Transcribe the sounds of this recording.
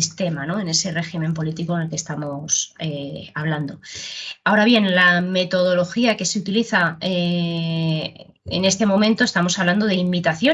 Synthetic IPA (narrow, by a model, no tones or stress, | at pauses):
ist̪e̞mano̞e̞ne̞se̞re̞ximẽ̞mpo̞lit̪ikoene̞lke̞st̪amo̞seaβ̞land̪o̞ao̞ɾaβje̞nlame̞t̪o̞ð̞o̞lo̞xiake̞seut̪iliθae | ḛne̞st̪e̞mõ̞mẽ̞nt̪ost̪amo̞saβland̪o̞ð̞eimit̪aθjo